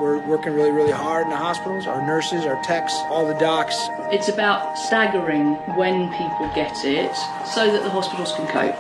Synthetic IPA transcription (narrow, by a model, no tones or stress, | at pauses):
wɪɹwɜ˞kɪ̃ŋɹɪlˠiɹɪlˠiɦɑɹɾ̃n̩ðəhɑspɪɾl̩ˠza̰ʊə˞nɜ˞sɪzaʊə˞tʰɛksɔlˠðədɑks | ɪtsəbaʊtstaɡəɹɪ̃ŋ | wə̃npʰiˑpʰəlˠɡɛtɪt | səʊðəʔðəɦɒspɪɾˡl̩ˠz̥kʰə̃nkʰə̰ʊp